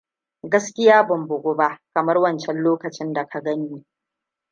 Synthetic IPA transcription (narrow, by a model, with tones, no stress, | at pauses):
ɡɐ˦skʲɪ˦jaː˦bʊ˨mbʊ˨ɡʷʊ˦ba˦ʔkɐ˨mɐ˦rwɐ˦nt͡ʃɛ˦nloː˦kɐ˨t͡ʃɪ˦nda˨kʰa˨ɡɐ˦ɲjiː˦